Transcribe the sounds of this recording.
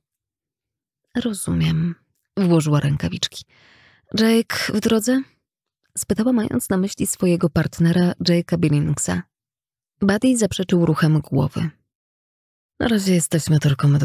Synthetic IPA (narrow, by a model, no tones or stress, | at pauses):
ɾɔz̥umʲjɛm | vwɔʐɘwaɾʔɛŋkavʲḭt͡ʂkʲi̥ | ʐɛjkvd̪ɾɔd̪zɛ | spɘt̪awamajɔ̰nt̪snamɘɕlʲisfɔjɛɡɔpaɾt̪nɛɾad͡ʐɛjkabʲilʲiŋksa̰ | bad̪ʲijzapʂɛt͡ʂɘwɾuxɛmɡwɔ̰vɘ̰ | na̰ɾaʑɛjɛst̪ɛɕmɘt̪ɨlkɔm